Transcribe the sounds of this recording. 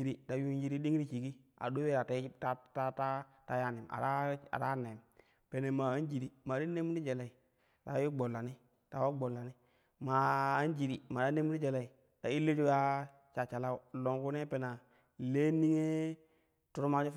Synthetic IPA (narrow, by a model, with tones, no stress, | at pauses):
i˦ɾi˦ta˨ju˦nji˦ɾi˦di˦ŋ˦ɾi˦t͡ʃi˨ɡi˦ | a̰˨do˦e˦ɾa˨ta˦i˦ta˦ta˦ta˦ta˦ja˦˨ni˨ma̰˨ɾa˦a̰˨ɾa˦ne˨m | pe˨ne˨ma˨a˦n˦d͡ʒi˨ɾi˨ma˨di˦nːe˦mu˦ɾi˦d͡ʒe˨la˨i˨ | ta˨˦ju˦ɡ͡bo˨lːa˨ni˦ | ta˨wo˦ɡ͡bo˨lːa˨ni˦ | maː˨˦nd͡ʒi˨ɾi˨ma˨da˦nːe˦mu˦i˦d͡ʒe˨la˨i˨ | ta˨i˦lːe˦d͡ʒu˦ɡa˦ | t͡ʃa˨t͡ʃa˨la˦u˨lo˨ŋku˦ne˦pe˨na˨ | le˦ni˦ŋe˦ | tu˦ɾu˦ma˦t͡ʃu˦f